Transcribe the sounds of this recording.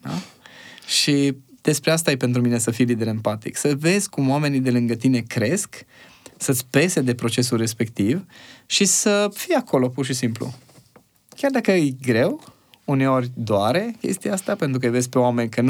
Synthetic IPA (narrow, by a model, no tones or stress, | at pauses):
a̰ | ʃid̪̥e̞spɾeast̪ajepent̪ɾumine̞səfijlid̪e̞ɾempat̪ḭksəve̞zʲkumoame̞nid̪e̞lɨŋɡət̪ine̞kɾe̞sk | sət̪sʲpe̞sed̪e̞pɾo̞t͡ʃe̞sulre̞spe̞kt̪ivʃisəfijakʰo̞lo̞purʃisimplṵ | kʲard̪akəɨjɡɾe̞w | une̞o̞rʲd̪oaɾekʲe̞̰st̪iaast̪apent̪ɾukəjve̞zʲpe̞oame̞nʲkən